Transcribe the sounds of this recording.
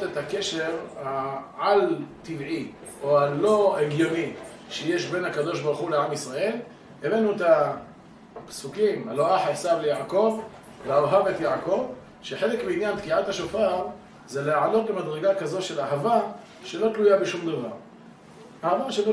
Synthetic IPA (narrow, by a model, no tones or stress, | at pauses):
tet̪hakeʃe̞ʁhaʕalt̪ivʕi | oalo̞eɡjoni | ʃeje̞ʃbe̞nakad̪o̞ʃbaʁuχuleʕamisʁae̞l | evenueta | psukimhaloʔaħasavlejaʕako̞v | leaoɦavetjaʕako̞v | ʃeħe̞lekmiinjantkiʕathaʃofaʁ | zeleʕano̞t̪be̞mad̪ʁeɡakazo̞t̪ʃe̞laɦava | ʃe̞lo̞t̪lujabeʃumd̪ava̰ʁ | ʔahavaʃelo